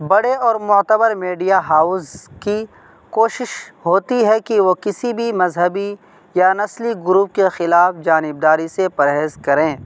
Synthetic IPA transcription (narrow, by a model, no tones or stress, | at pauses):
bɐɽeɔːɾmʊt̪əbəɾmeːɖijaɦaːʊzki | koːʃɪʃɦoːt̪iɦɛkiʋokɪsibʱimɐzɦəbi | janɐsliɡʊɾuːp̚kexɪlaːfd͡ʒaːnɪb̚d̪aːɾisepɐɾɦeːzkɐɾẽː